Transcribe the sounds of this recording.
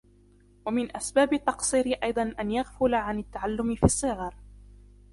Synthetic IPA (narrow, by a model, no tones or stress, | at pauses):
wamɪnʔasbaːbɪt̪ːɑqsˤiːɾɪʔɑjd̪ˤɑnʔanjaɣfʊlaʕanɪt̪ːaʕalːʊmɪfisˤːɨɣɑɾˤ